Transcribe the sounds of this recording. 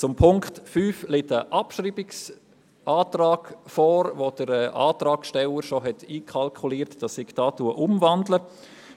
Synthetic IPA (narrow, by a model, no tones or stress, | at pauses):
t͡sʊmpʰʊŋktfyːflɪtəʔɑpʃɾiːbɪks | ʔaːtrɑːɡ̥fɔːɾvod̥əɾɛʔa̰ːtɾɑːkʃtɛləɾʃoɦɛtiːkʰχɑlkʰuliːəɾtd̥ɑsɪɡd̥ɑːtuəʔʊmvɑndlə